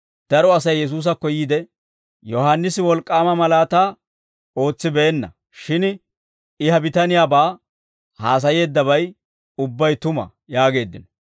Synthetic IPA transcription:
d̪̥ɐɾɔɐsɐjːɛs̬uːs̬ɐkːɔjiːd̪ɛ | jɔɦaːnːɪsɪwɔlkʼːaːmɐmɐlaːt̪aː | o̞ːt͡sːɪbɛɛnːɐ̰ | ʃɪn | ɪhɐbɪt̪ɐnɪjaːbaː | haːs̬ɐje̞ːd̪ːɐβɐj | ʊbːɐjt̪ʊmɐ̰ | jaːɡe̞ːd̪ːɪnɔ

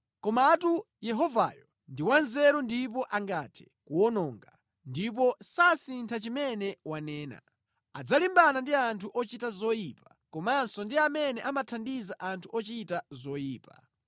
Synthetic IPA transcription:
kɔmatu | jɛɦɔva̰jɔ | ndiwanzɛɾɔndip̬ɔʔaŋɡatʰɛ̥ | kuɔnɔːŋɡa | ndip̬ɔsasintʰat͡ʃimɛnɛwanɛːna̰ | ad͡zalimbanandiantʰuʔɔt͡ʃitazɔjipḁ | kɔmansɔndiamɛnɛʔamatʰandizaʔantʰuɔt͡ʃitazɔjiːpa̰

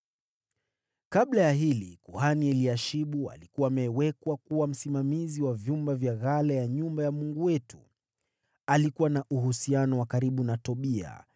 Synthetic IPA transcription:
kaɓlajaɦilikuhaniɛliaʃiɓua̰likuwaːmɛːwɛkwakuwam̩simamiziwavjumbavjaɣalajaɲumbajamuŋɡuwɛtu̥̰ | alikuwanaʔuɦusianɔwakaɾiɓunatɔɓia̰

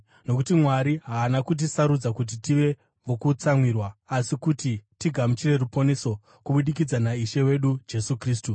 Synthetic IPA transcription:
no̞kutimwaɾiɦaːnakut̬isaɾud͡zakut̬itiʋe̞ | ʋokut͡samwirwaːsikutitiɡʱamut͡ʃire̞ɾupo̞ne̞so̞ | kuɓuɗik̬id͡zanaiʃe̞we̞ɗud͡ʒe̞sukriːs̬tu

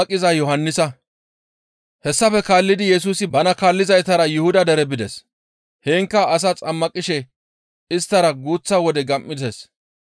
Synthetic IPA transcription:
ɐkʼːɪzɐjɔɦɐnːɪsɐ | hɛsːɐfɛkaːlːɪd̪ɪjɛs̬uːsɪbɐnɐkaːlːɪzɐjt̪ɐɾɐjʊhʊd̪ɐd̪ɛɾɛbɪd̪ɛs | heːŋkːɐːs̬ɐt͡sʼɐmːɐkʼɪʃɛ | ɪst̪ːɐɾɐɡuːt͡sːɐwɔd̪ɛɡɐmːɪdɛs

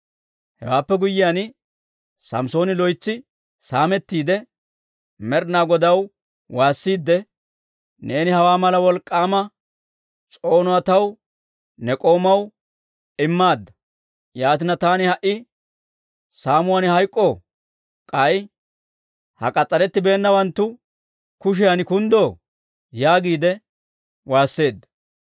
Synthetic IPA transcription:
hɛ̰waːpːɛɡʊjːɪjan | sɐ̰mso̞ːnɪlɔjt͡sːɪ | saːmɛt̪ːiːd̪ɛ | mɛɾnaːɡɔd̪ɐw | waːsːiːd̪ːɛ | ne̞ːnɪhɐwaːmɐlɐwɔlkʼːaːmɐ | t͡sʼo̞ːnʊɐt̪ɐw | nɛkʼo̞ːmɐw | ɪmːaːd̪ːɐ̥ | jaːt̪ɪnɐt̪aːnɪhɐʔɪ | saːmʊwɐnɪhɐjkʼːo | kʼɐj | hɐ̰kʼɐt͡sʼːɐɾɛt̪ːɪbe̞ːnːɐwɐnt̪ːʊ | kʊʃ̬ɛjɐnɪkʊnd̪o̞ː | jaːɡiːd̪ɛ | waːsːe̞ːd̪ːɐ̥

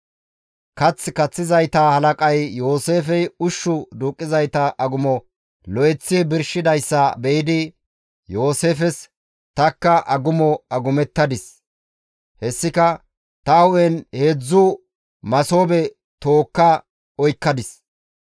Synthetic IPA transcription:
kɐt͡sːkɐt͡sːɪzɐjt̪ɐhɐlɐkʼɐjjo̞ːse̞ːfɛjʊʃːʊd̪uːkʼːɪzɐjt̪ɐʔɐɡʊmɔ | lɔɛt͡sːɪbɪɾʃɪd̪ɐjsːɐbɛjɪd̪ɪ | jo̞ːse̞ːfɛs | t̪ɐkːɐʔɐɡʊmɔɐɡʊmɛt̪ːɐd̪ɪs | hɛsːɪkɐ | t̪ɐwʊɛnheːd͡zːʊ | mɐso̞ːbɛ | t̪o̞ːkːɐ | ɔjkːɐd̪ɪs

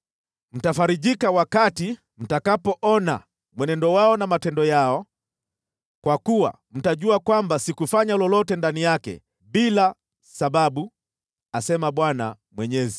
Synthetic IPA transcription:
m̩tafaɾiʄikawakati | m̩takapɔʔɔna̰ | mwɛnɛndɔwaɔnamatɛndɔjaɔ | kwakuwa̰ | m̩taʄuakwambasikufaɲalɔlɔtɛndanijakɛ̰ | ɓila | saɓaɓu | asɛmaɓwana̰ | mwɛɲɛzi

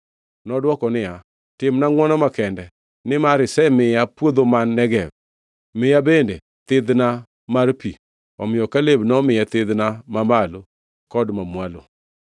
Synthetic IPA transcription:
nɔdwɔkɔnɪja | tɪmnaŋwɔnɔmakɛndɛ | nɪmaɾɪsɛmɪjapwod̪omanːɛɡɛb̚ | mɪjabende | t̪ɪd̪na | marpi | ɔmɪjɔkalebnɔmɪjɛt̪ɪd̪namamalo | kɔdmamwalo̰

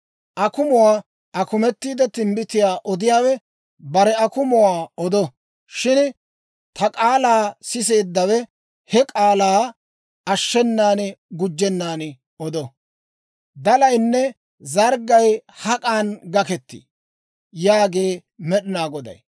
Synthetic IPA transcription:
ʔɐkʊmɔwaː | ʔɐkʊmɛt̪ːiːd̪ɛt̪ɪmbɪt̪ɪjaːʔɔd̪ɪjaːwɛ | bɐɾɛɐkʊmɔwaːɔd̪ɔ | ʃɪn | t̪ɐkʼaːlaːsɪs̬e̞ːd̪ːɐwɛ | hɛkʼaːlaː | ɐʃːɛnːaːnɪɡʊd͡ʒːɛnːaːnɪ | ɔd̪ɔ | d̪ɐlɐjnːɛ | zɐɾɡɐjhɐkʼaːnɡɐkɛt̪ːḭ | jaːɡe̞ːmɛɗɪnaːɡɔd̪ɐ̰j

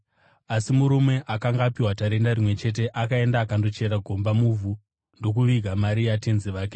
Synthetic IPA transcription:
asimuɾume̞ʔakaŋɡaːpiwataɾe̞ndarimwe̞t͡ʃe̞t̬e̞ʔakae̞ndaːkando̞t͡ʃe̞ɾaɡʱo̞mbamuvʱu | ndo̞k̬uʋiɡʱamaɾijatenziʋaːk̬e

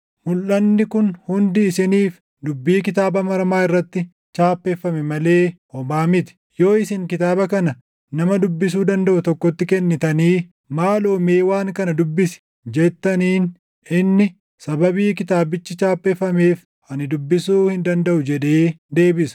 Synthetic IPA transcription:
mʊlʔɐnːɪkʊnhʊnd̪ɪːsɪniːf | d̪ʊbːiːkɪt̪aːbɐmɐɾmaːɪrːɐt̪ːɪ | t͡ʃaːpːefːɐmɛmɐle̞ːhɔbaːmɪt̪ɪ̥ | jo̞ːɪsɪŋkɪt̪aːbɐkɐnɐ | nɐmɐd̪ʊbːɪs̬uːd̪ɐnd̪ɐʔʊt̪ɔkːɔt̪ːɪkɛnːɪt̪ɐniː | maːloːme̞ːwaːŋkɐnɐd̪ʊbːɪsɪ̥ | d͡ʒɛt̪ːɐniːn | ɪnːɪ | sɐbɐbiːkɪt̪aːbɪt͡ʃːɪt͡ʃaːpʼːefːɐme̞ːf | ʔɐnɪd̪ʊbːɪsuːhɪnd̪ɐnd̪ɐʔʊd͡ʒɛᶑe̞ːd̪e̞ːbɪsʊ̥

